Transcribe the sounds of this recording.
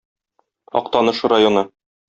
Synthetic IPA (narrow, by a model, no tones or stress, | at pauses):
ɒ̰qt̪ɑnɤ̆ʃɤɾajonɤ